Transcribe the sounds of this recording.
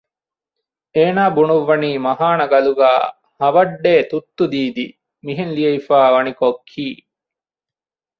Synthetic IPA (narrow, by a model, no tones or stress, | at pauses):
eːnaːbunuʋːɐniːmɐɦaːnɐɡɐluɡaː | hɐʋɐɖːeːt̪ut̪ːud̪iːd̪i | miɦenlijɐifaːʋɐnikokʰːiː